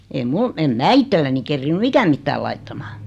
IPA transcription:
ei mul em mæː itːelːæni kerːinːy ikæm mitːæːl lɑitːɑmɑ̥ː

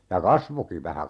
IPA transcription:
jɑ kɑsʋoki ʋæhæ

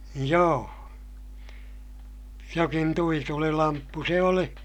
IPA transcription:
joː jokin tuitulilɑmpːu se oli

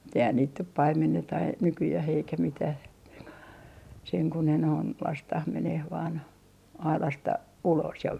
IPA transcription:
mut eihæn niːt nyt pɑimenːetɑ ɑi nykyjæh eikæ mitæh ko seŋ ku ne noin lɑstɑh meneh ʋɑːn ɑilɑstɑ ulos jɑ

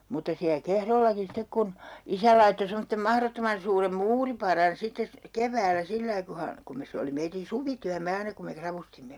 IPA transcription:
mutːɑ siæ kehrolːɑki sitek kun isæ lɑitːo semotːem mɑhrotːomɑn suːrem muːripɑrɑn sitːes sy keʋˑæːlæ silːɑi ku hɑ kum mes se oli meitin̞ suʋityæmːe ɑinɑ kum me krɑʋustimːe

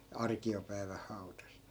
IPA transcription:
ɑrkiopæi̯ʋæh hɑu̞tɑs

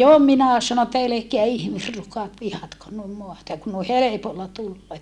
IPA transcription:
jo minæ sɑno etːæ elekeæ ihmisrukɑt ʋihɑtkon nuim moɑtɑ jɑ kun noi helepolːɑ tulːoː

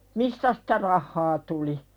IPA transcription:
mistæ sĭ̥tæ rɑhːɑː tuli

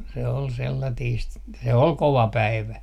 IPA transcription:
se ol selːɑtiːst se ol koʋɑ pæiʋæ

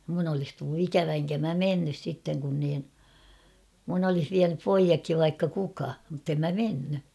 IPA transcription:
mun olis tulːu ikæʋæ eŋkæ mæ menːys sitːeŋ kun niːn mun olih ʋiænyp poijɑkːiʋ ʋɑikːɑ kukɑ mutːem mæ menːy

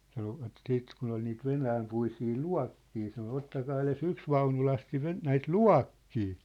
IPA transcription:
sɑnoʋɑt siːt kun ol niːt ʋenæːmpuisiː luɑ̝kːiː sɑno otːɑkɑː eles yks ʋɑunulɑsti ʋe næit luɑ̝kːiː

